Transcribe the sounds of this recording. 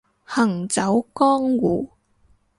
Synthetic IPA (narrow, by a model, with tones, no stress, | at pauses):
hɐ˨˩ŋt͡sɐ˨˥wkɔː˥ŋwuː˨˩